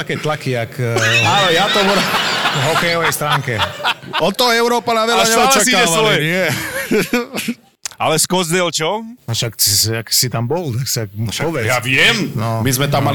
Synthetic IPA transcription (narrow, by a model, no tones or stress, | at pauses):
akɛːt̪lakiakalɛjat̪ɔbɔɾɛvɦɔkɛjɔʋɛjst̪ɾaːŋkɛɔt̪ɔɛʊɾɔːpanaʋɛlaasɲɛɔlt͡ʃɛasiɛɔlɛnɪɛ | a̰lɛskɔzd̪ɛlt͡ʃɔʃaksaksit̪ambɔlt̪aksak̚ʃaɔbɛjaʋɪɛmnɔmizmɛt̪ama